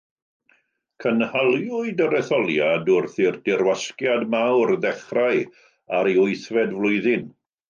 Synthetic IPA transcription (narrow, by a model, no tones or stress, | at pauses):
kʰənhalˠjʊɨdəɾɛθɔlˠjadʊrθɪrdɪrwaskjadmawrðɛχraɨ | aɾiʊɨθvɛdvlˠʊɨðɪn